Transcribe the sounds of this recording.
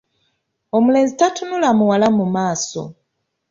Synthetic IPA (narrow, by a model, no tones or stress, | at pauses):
omule̞ːnzitatunulamuwalamumaːso̰